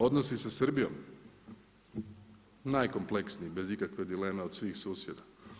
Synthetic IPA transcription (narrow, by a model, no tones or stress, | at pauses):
o̞d̪nosisasr̩bijo̞̰m | naːjko̞mplˠe̞ksniibe̞zikakʋe̞d̪ile̞ːmeod̪sʋiːxsuːsjed̪a